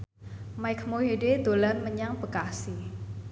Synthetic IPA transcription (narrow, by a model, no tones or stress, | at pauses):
majkʰmoɦeded̪̥olanməɲaŋbəkasi